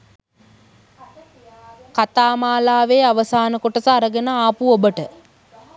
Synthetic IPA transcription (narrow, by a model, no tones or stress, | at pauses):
kat̪aːmaːlaːʋeːaʋəsaːnəkoʈəsaɾəɡənəaːpuobəʈə